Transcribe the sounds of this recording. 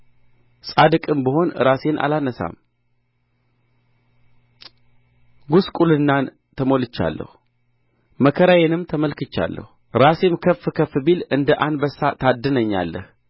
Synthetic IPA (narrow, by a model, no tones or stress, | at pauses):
sʼad̪ɨkʼɨmbəɦo̞nɨ̰ɾase̞nʔa̰lanəsa̰m | ɡuskʼulɨnːan | t̪ʰəmo̞lɨt͡ʃːa̰lːə̰hu | məkʰəɾajenɨmt̪ʰəməlkɨt͡ʃːa̰lːə̰hu | ɾase̞mkʰəfːkʰəfbilɨnd̪əʔanbəsːat̪ʰad̪ːɨnəɲːa̰lːə̰h